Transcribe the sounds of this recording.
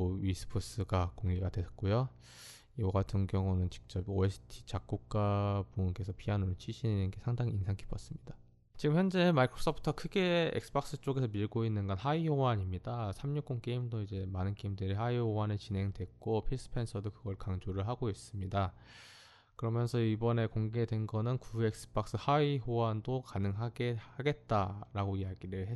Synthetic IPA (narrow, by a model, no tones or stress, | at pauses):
oɥisʰɯ̥pʰos͈ɯɡakoŋɡiɡadwe̞k͈ojo | ioɡatʰɯnɡjʌŋunɯnt͡ɕi̥k̚t͡ɕ͈ʌpoesʰɯ̥tʰi̥t͡ɕak̚k͈uk̚k͈apoɯnke̞sʰʌpʰianoɾont͡ɕʰiɕʰinenɯnɡe̞sʰaŋdaŋiinsʰaŋkʰi̥pʰʌs͈ɯmɲid̥a | t͡ɕiɡɯmçjʌnd͡ʑe̞maikʰɾos͈ʰʌpʰɯ̥tʰʌkʰɯɡe̞ḛksɯ̥bʌk̚s͈ɯt͡ɕ͈oɡesʰʌmiɭɡoinːɯnɡʌnɦaiowaɲimɲidasʰamɲuk͈̚onk͈e̞imdoid͡ʑe̞manɯnkeimdeɾiɦaiɦowanɯɭt͡ɕinɦe̞ŋdwe̞k͈opʰis͈ʰɯ̥pʰe̞nsʰʌdokɯɡʌɭkaŋd͡ʑoɾɯɭɦaɡois͈ɯmɲida | kɯɾʌmjʌnsʰʌibʌne̞koŋɡe̞dwe̞nɡʌnɯnkue̞k̚s͈ɯ̥b̥ak̚s͈ɯhaiɦowandokanɯŋɦaɡe̞aɡe̞t̚t͈aɾaɡoijaɡiɾɯɭhe